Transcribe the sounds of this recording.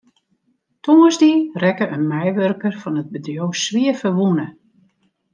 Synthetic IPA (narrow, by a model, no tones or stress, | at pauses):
tʰoŋəzdirɛkəʔənmɛjʋørkərfɔnəd̚bədjowsʋiəfəʋunə